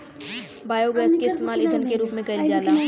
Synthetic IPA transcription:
baːjoɡɛːskeɪst̪eːmaːlɪd͡ʒənkeɾuːpmẽkɐɪld͡ʒaːlaː

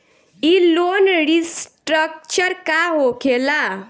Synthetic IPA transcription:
ilonɾisʈɾək̚t͡ʃəɾkaɦokʰela

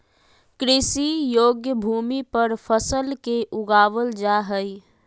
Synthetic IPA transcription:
kɾisijoːɡjəbʱumipəɾpʰəsəlkeʔuɡaːʋəld͡ʒaɦəj

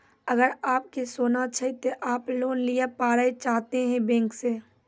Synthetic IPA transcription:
əɡəɾaːp̚kesoːnat͡ʃʰət̪oʔaːploːnlijapaːɾəet͡ʃaːɦt̪eɦɛ̃bɛ̃ːŋkseː

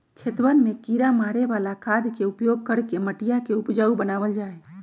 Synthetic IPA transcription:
kʰet̪ʋənmekiɾamaɾebalakad̪keupjoɡ̚kəɽkeməʈijakeupd͡ʒaubənaβəld͡ʒae

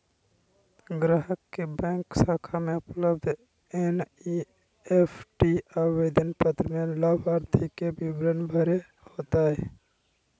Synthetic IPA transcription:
ɡɾaɦəkːebɛ̃ːksaːkʰameʊpləbd̪ʱ | eni | epʰʈiaːed̪ənpət̪ɾəmeləbʱaːɾt̪ʰikebʱibɾənbʱəɾe | hot̪aɦɛ

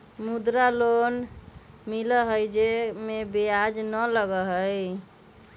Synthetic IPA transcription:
mud̪ɾalon | miləɦəjd͡ʒemebejad͡ʒnələɡəɦəj

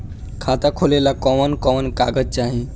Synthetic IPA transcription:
kʰat̪akʰolelakɔʋənkɔʋənkaɡətt͡ɕaɦi

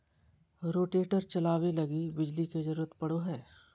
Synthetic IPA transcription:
ɾoːʈeːʈəɾt͡ʃɐlaːwelɐɡibɪd͡ʒliked͡ʒɐɾuːɾət̪pɐɽoɦɛː

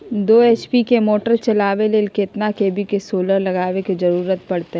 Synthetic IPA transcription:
d̪oːɛːt͡ʃpikemoːʈəɾt͡ʃɐlaːʋeleːlkeɪt̪nakeːbʱikesoːləɾlɐɡaːʋekizɐɾuːɾət̪̚pɐɽt̪eɦ

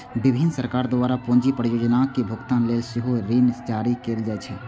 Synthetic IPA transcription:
bɪbʱɪnsəɾkaːɾd̪ʊaːɾapõːɲd͡ʒipəɾjoːd͡ʒnaːkibʱʊɡt̪ãnlesɪɦoɾiːnɪst͡ʃaːɾikeːld͡ʒɛːt͡ʃʰɛ

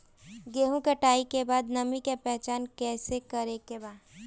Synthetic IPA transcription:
ɡeːɦũkeʈaːikebaːd̪nəmikepɛɦt͡ʃaːnkɛːsekəɾekebaː

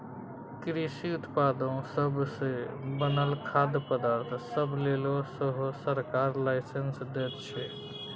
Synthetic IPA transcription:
kɾisiʊt̪pad̪õsəbʱsebənəlkʰad̪pəd̪aɾt̪ʰsəbʱlelosəɦosəɾkaɾlaɪsənsd̪et̪t͡ʃʰɛ

